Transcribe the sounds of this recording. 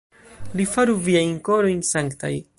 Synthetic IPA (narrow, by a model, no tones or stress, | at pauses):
lifaɾuviajnkoɾo̞jnsaŋkta̰j